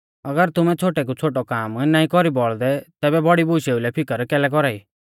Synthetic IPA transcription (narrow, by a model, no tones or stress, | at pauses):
ɐɡəɾt̪ʊmɛt͡sʰoːʈɛk̬ut͡sʰoːʈɔkaːmnãːĩkɔɾibɔɭd̪ɛt̪ɛːbɛbɔɽibʊʃeːulɛpʰɪkəɾkɛːlɛk̬ɔɾaːiː